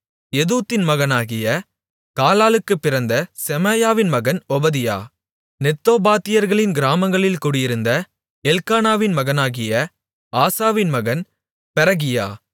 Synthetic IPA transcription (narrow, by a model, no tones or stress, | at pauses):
ɛðuːt̪ːɪnmɐɣɐnaːɣɪjɐ | kaːlaːlɯkːɯpːɪɾɐnd̪ɐsɛmɐjaːʋɪnmɐɣɐnɔbɐðɪja̰ː | nɛt̪ːoːbaːt̪ːɪjɐɾɣɐɭɪnɡɪɾaːmɐŋɡɐɭɪlkuːɽɪjɪɾɯnd̪ɐ | ɛlkaːnaːʋɪnmɐɣɐnaːɣɪjɐ | aːsaːʋɪnmɐɣɐn | pɛɾɐɣɪja̰ː